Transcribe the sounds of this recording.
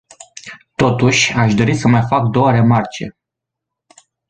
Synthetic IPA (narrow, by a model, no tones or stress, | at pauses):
t̪o̞t̪uʃʲaʃd̪o̞ɾisəmajfak̚d̪o̞wəɾe̞mart͡ʃe̞̰